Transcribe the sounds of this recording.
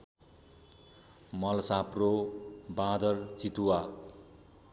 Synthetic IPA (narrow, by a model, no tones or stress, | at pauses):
mʌlsaprobãd̪ʌrt͡sit̪uwa